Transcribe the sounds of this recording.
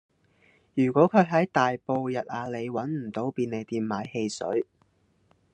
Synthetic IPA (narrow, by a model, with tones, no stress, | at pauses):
jyː˨˩kʷɔː˨˥kʰɵ˨˧ɥɦɐ˨˥jt̪aː˨jpo˧wjɐ˨t̚aː˨˧le˨˧jwɐ˨˥nm̩˨˩t̪o˨˧wpiː˧ne˨˧jt̪iː˧mmaː˨˥jhe˧jsɵ̰˨˥ɥ